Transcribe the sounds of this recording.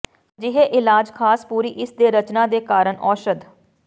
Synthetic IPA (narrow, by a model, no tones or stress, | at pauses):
d͡ʒɪɦeːʔɪlaːd͡ʒkʰaːspuːɾiːʔɪsd̪eːɾət͡ʃnãːd̪eːkaːɾəɳɔːʃəd̪